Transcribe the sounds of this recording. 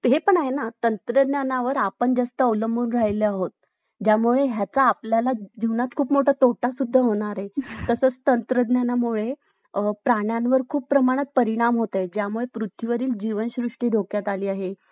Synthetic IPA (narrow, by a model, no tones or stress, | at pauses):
ɦepəɳ̃aɦenat̪ənt̪ɾəd̪njanaʋəɾapəɳd͡zəst̪əəwləmbuːnɾajleaɦot̪ | d͡ʑjamuɭeɦjat͡saːpljalad͡ʑiʋnat͡skʰuːpmoʈʰat̪oʈasud̪ʱːəɦoɽ̃aɾet̪əsəːt͡st̪ənt̪ɾəd̪njanamuɭe | pɾaɽ̃janʋəɾkʰuːpːɾəmaɽ̃ət̪̚pəɾiɽ̃amɦot̪ad͡ʑjamuɭepɾut̪ʰiʋəɾiːld͡ʑiʋənɕɾuʂʈiːɖʱokjat̪aliːaɦe